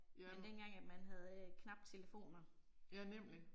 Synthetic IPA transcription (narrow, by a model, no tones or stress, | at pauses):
mend̥enɡ̥ɑ̈ŋ̰æd̥mænɦæð̞ˠkʰnɑ̈b̥̚d̥t͡sʰe̝ləfo̝̰ːnɐjænem̰li